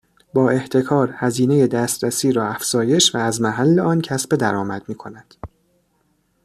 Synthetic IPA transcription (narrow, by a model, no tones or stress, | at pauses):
bɒːe̞ht̪ʰe̞kʰɒːɾhæziːne̞je̞d̪æːst̪ɾæsiːɾɒːæfz̥ɒːje̞ʃvæːzmæɦælːe̞ɒːncʰæsbe̞d̪æɾɒːmæd̪̥miːkʰo̞næd̪̥